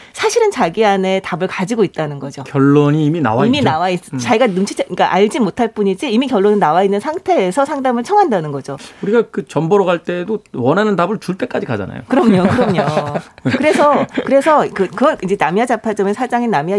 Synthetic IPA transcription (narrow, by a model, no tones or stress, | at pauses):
sʰaɕʰiɾɯnt͡ɕaɡiane̞tabɯɭkad͡ʑiɡoit̚t͈anɯnɡʌd͡ʑokjʌɭːoɲiːmina̰waiminawais͈t͡ɕaiɡanumt͡ɕʰit͡ɕʰeiɲk͈aʔaʎd͡ʑimotʰaɭp͈uɲid͡ʑiːmikjʌɭːonɯnawainːɯnsʰaŋtʰe̞ːsʰʌsʰaŋdamɯɭt͡ɕʰʌŋɦandanɯnɡʌd͡ʑouɾiɡakɯt͡ɕʌmbʌɾʌɡaɭt͈e̞dowʌnɦanɯndabɯɭt͡ɕuɭt͈e̞k͈ad͡ʑikad͡ʑa̰na̰jo̰kɯɾʌmɲokɯɾʌmɲokkɯɾe̞sʰʌkɯɾe̞sʰʌkɯkɯɡʌɭid͡ʑenamiat͡ɕapʰat͡ɕ͈ʌmesʰad͡ʑaŋenamia